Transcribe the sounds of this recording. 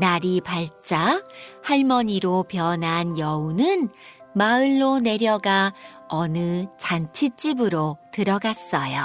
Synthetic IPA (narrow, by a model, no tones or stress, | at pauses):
naɾipaɭt͡ɕ͈ahaɭmʌɲiɾopjʌnɦanjʌunɯnmaɯɭːone̞ɾjʌɡa | ʌnɯt͡ɕant͡ɕʰit͡ɕ͈ibɯɾotɯɾʌɡas͈ʌjo